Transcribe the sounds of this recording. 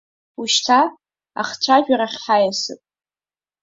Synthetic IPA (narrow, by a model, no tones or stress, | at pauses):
uʃtʰa | a̰χt͡ʃʷʰaʒᶣaɾaχʲħajasɨ̰pʼ